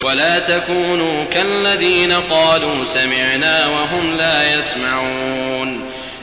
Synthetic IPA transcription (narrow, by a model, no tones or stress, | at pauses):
walaːt̪akuːnuːkaʔlːaðiːnaqɑːluːsamɪʕnaːwaɦʊmlaːjasmaʕuːn